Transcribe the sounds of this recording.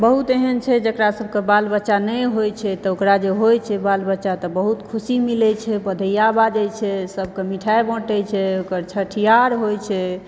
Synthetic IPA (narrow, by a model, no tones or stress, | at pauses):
bəɦut̪eɦənt͡ʃʰɛd͡ʒəkɾasəb̚ʱkebalbətːʃanɛjɦojt͡ʃʰɛt̪ɔokɾad͡ʒeɦojt͡ʃʰɛbalbətːʃat̪ɔbəɦut̪kʰusimilɛt͡ʃʰɛbəd̪ʱəjabad͡ʒəjt͡ʃʰɛsəb̚ʱkemiʈʰaebɔ̃ʈɛt͡ʃʰɛokəɾt͡ʃʰəʈʰijaɾɦojt͡ʃʰɛ